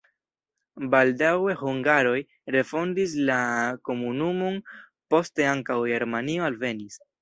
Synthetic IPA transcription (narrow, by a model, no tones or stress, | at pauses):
baldawe̞huŋɡaɾo̞j | ɾe̞fo̞ndislako̞munumo̞n | po̞ste̞aŋkawɡeɾmanio̞alve̞nis